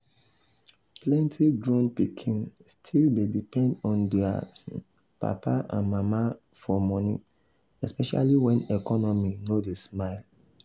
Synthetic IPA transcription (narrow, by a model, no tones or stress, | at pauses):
plɛ̃ntʰidɹɔ̃npikʰĩnstʰildedipɛ̃ndɔ̃ndɛa̰ | pa̰paʔã̰nmama | fɔmɔ̃nḭ | ɛspɛʃa̰liwɛ̃nɛkɔnɔminodesmaɪl